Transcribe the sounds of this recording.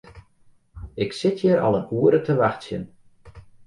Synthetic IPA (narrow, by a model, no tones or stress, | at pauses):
ɪksɪtʰjəɾɔ̰lˠənuəɾətʰəʋaxtsjə̰n